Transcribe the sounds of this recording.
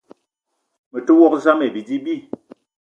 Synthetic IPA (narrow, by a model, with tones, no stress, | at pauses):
mə˨to˦wɔ˦kza˦me˨bi˨di˦bi˦˨